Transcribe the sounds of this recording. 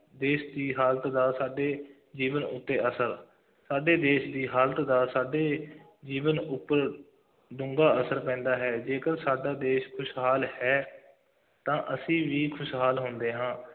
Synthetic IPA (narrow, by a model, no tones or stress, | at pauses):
d̪eːʃd̪iːɦaːlət̪d̪aːsaːɖeː | d͡ʒiːʋənʊ̰t̪ːeːʔəsəɾ | saːɖeːd̪eːʃd̪iːɦaːlət̪d̪aːsaːɖeː | d͡ʒiːʋənʊpːəɾ | d̪ʊ̃ŋɡaːəsəɾpɛ̃ːnd̪aːɦɛːd͡ʒeːkəɾsaːɖaːd̪eːʃkʰʊʃɦaːlhɛː | t̪ãːʔəsĩːʋiːkʰʊʃɦaːlɦʊ̃nd̪eːɦãː